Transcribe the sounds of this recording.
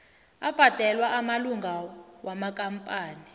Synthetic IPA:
ab̥ʱad̥ʱɛlwaʔamaluŋɡʱawamakʼampʼaːni

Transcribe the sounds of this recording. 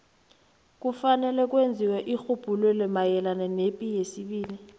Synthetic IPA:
k̬ʼufanɛlɛk̬wend͡zʱiwɛʔixub̥ʱulɔlɛmajɛlanɛnepʼijesiɓiːli

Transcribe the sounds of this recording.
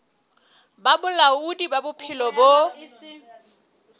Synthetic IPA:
babʊlaudibabʊpʰilɔbo

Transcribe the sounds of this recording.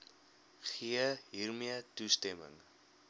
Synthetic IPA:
χiəɦiːrmiətustɛmə̰ŋ

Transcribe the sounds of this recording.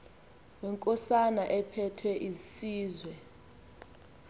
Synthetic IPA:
ɛŋkʼɔsanaʔɛpʰɛtʰwɛʔizisiːzwɛ

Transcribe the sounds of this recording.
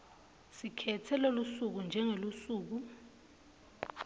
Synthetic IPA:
sikʰɛtʰɛlolusuk̬und͡ʒʱɛŋelusuːk̬u

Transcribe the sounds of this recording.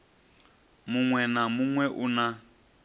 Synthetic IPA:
muŋwɛnamuŋwɛʔuna

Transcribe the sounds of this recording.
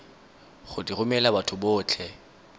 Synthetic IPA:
χʊdirʊmɛlabatʰʊbʊːt͡ɬʰɛ

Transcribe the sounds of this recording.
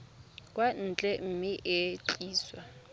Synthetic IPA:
kʼwan̩t͡ɬʼɛm̩miʔet͡ɬʼiːswa

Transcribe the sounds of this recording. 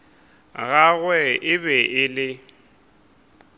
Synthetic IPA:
ɣaɣwɛɪbɛʔɪlɪ

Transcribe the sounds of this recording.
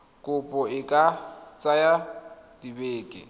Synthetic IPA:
kʼʊpʼɔɪkʼat͡sʼajadibeːkʼɪ̰

